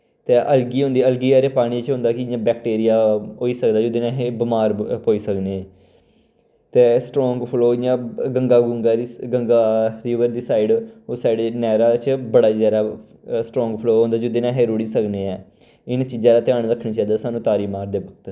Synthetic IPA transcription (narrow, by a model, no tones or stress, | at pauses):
t̪eːʔəlɡiːɦʊ̃nd̪iːəlɡiːaːɾeːpaːɽ̃ĩːt͡ʃɦʊ̃nd̪aːkɪɪjãːbɛːk̚ʈeːɾɪjaːɦoːiːsəkd̪aːd͡ʒoːd̪eːnãːɦebɪmaːɾpoːiːsəkneːɛ | t̪eːsʈɾõːŋɡpʰloːɪjãːɡəŋɡaːɡəŋɡaːɾiɡəŋɡaːɾɪʋəɾd̪iːsaːiɖoːsaːiɖenɛːɾaːt͡ʃbəɽaːizaːɾaː | sʈɾɔ̃ːŋɡpʰloːɦõnd̪aːd͡ʒoːd̪eːnãːɦeːɾʊɽiːsəkneːɛː | ɪnːt͡ʃiːd͡ʒãːɾaːt̪ɪjãːɽ̃ɾəkʰːɳiːt͡ʃɛːd̪aːsaːnũːt̪aːɾiːmaːɾd̪eːʋək̚t̪